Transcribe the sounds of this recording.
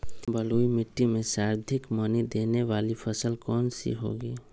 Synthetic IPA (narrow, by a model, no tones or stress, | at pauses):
bəloːimɪʈːimẽsaːɾd̪ʱɪkmɐnid̪eːneʋaːlifʰəsəlkɔːnsḭɦo̰ːɡiː